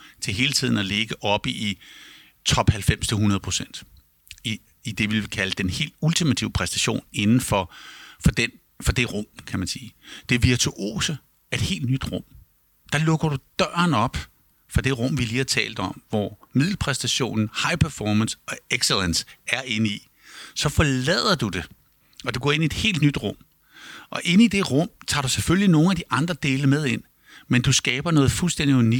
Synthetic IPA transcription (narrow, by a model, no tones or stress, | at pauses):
t͡sʰe̝ɦe̝ːlət͡sʰið̞̰ˠn̩æle̝ɡ̥əʔɒ̽b̥əi | t͡sʰɒ̽b̥hælfem̰st͡sʰe̝lɦunɐð̞ˠpʰo̝sen̰d̥ | i | id̥e̝ʋe̝lʋikʰæləd̥enhe̝̰ːld̥ult͡sʰimæt͡sʰiʊəpʰʁɛsd̥æɕo̝̰ːne̝nn̩fɒ̽fɒ̽d̥en | fɒ̽d̥e̝ʁɔ̽m̰kʰæmænsiːd̥e̝ʋiɐt͡sʰuʔo̝̰ːsə | e̝d̥he̝̰ːld̥nyd̥ʁɔ̽m̰ | d̥ɑ̈lɔ̽ɡ̥ɐɾ̥ud̥ɶɐ̰ɐnɒ̽b̥ | fɑ̈d̥e̝ʁɔ̽m̰ʋiliːhɑ̈t͡sʰɛ̰ːld̥ɒ̽m̰ʋɒmið̞̰ˠl̩pʰʁɛsd̥æɕo̝̰ːnn̩hɑ̈ɪpʰæɐfɒːmænsɒ̽eɡ̥selensæɐeni | sɒ̽fɒlɛð̞̰ˠɐd̥ud̥e̝ | ɒ̽d̥eɡ̥ɒ̰ːe̝nied̥he̝̰ːld̥nyd̥ʁɔ̽m̰ | ʔɒ̽ʔe̝nid̥e̝ʁɔ̽m̰t͡sʰɑ̰̈ːdɾusefølʲlino̝ːn̩æd̥iʔɑ̈nd̥ʁɐd̥e̝ːləmeð̞ˠe̝n̰ | mend̥usɡ̥ɛːb̥ɐnɔ̽ːð̩ˠfulsd̥en̰d̥iuni